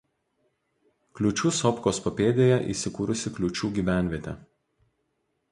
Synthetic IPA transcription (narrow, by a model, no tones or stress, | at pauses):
klʲʊt͡ʃʲuːsɔpkoːspɔpʲeːd̪ʲeːjɛʔḭːˑsʲɪkuːɾʊsʲɪklʲʊt͡ʃʲuːɡʲiːʋʲæˑnʲʋʲiɛt̪ʲɛ̰